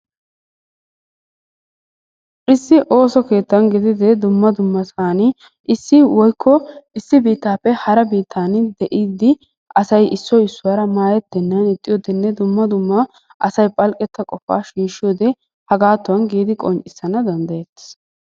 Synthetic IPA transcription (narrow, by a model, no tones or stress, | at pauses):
ʔɪsːɪʔo̞ːsɔke̞ːt̪ːɐnɡɪd̪ɪd̪ɛd̪ʊmːɐd̪ʊmːɐsaːnɪ | ʔɪsːɪwɔjkʰːɔɪsːɪbiːt̪ːaːpːɛhɐɾɐbiːt̪ʰːaːnd̪ɛʔiːd̪ːɪ | ɐsɐjɪsːɔɪsːʊwaːɾɐmaːjɛt̪ːɛnːɐnɪt̪ʼːɪjoːd̪ɛnːɛd̪ʊmːɐd̪ʊmːɐ | ʔɐsɐjpʼɐlkʼɛt̪ːɐkʼɔfa̰ːʃiːʃɪjoːd̪ɛ | hɐɡaːt̪ːʊwɐnɡiːd̪ɪkʼɔnt͡ʃʼɪsːɐnɐd̪ɐnd̪ɐjɛt̪ːɪ̥s